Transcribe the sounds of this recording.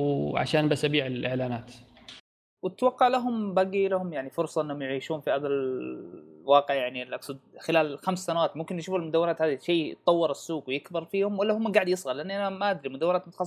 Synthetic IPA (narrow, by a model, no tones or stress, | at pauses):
ʕa̰ʃaːnbasːʔabiːʕɪlʔɪʕlaːnaːt̪ | wɪt̪wɑqːɑʕlaɦʊmbaɡilahʊmjaʕnifʊɾsˤɑʔɪnːhʊmjʕiːʃuːnfiʔabal | wɑːqɪʕjaʕnilʔaksad̪̚xɪlaːlxamsːanawaːt̪mʊmkɪnjʃuːfalmʊd̪awːɪɾaːt̪haːd̪iʃeːjt̪ˤːɑwːɑɾɪsːuːɡwɪjɪkbɪɾˤfiːhʊmwɪlːahʊmːaɡaːʕd̪jɪsˤɣɑlɪʔanːʔanamaʔad̪ɾimʊd̪awːɪɾaːt̪mʊt̪xɑsˤ